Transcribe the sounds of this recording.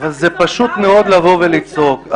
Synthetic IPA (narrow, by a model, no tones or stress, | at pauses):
valzepaʃut̪meo̞d̪lavo̞velit͡so̞k